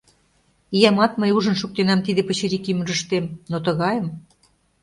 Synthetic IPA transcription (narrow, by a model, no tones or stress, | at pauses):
ijɑmɑt̪məjuʒə̆nʃuk̚t̪enɑmt̪id̪epə̆t͡ɕeɾikymə̆ʒə̆ʃt̪emnot̪ə̆ɣɑjəm